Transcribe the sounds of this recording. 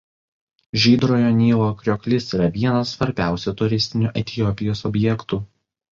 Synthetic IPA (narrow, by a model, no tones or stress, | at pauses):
ʒʲiːd̪ɾoːjoːnʲiːlˠokɾʲoːkʲlʲɪsiːɾɐʋʲiɛnɐsːʋɐɾʲbʲæˑʊsʲɛt̪ʊɾʲɪsʲt̪ʲɪnʲuːʔɛt̪ʲɪjɔpʲɪjoːsɔbʲjɛkt̪uː